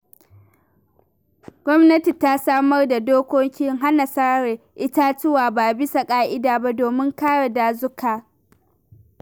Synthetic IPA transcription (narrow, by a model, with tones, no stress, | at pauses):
ɡʷɔ˦mnɐ˦ti˨ta˦saː˦mɐ˦rda˨doː˦kʷo˦ŋkʲɪ˦ŋɦa˦na˨sa˦ɽe˨ | ʔɪ˦ta˦t͡ʃʊ˦waː˨baː˨bɪ˦sa˨kʼaː˦ʔɪ˦daː˨ba˦doː˨mɪ˦ŋkaː˦ɽa˨daː˨zʊ˦kaː˨